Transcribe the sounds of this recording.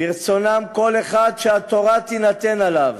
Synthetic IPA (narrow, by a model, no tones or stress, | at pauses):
iʁt͡so̞namko̞leχad̪ʃehat̪o̞ʁat̪inat̪enalav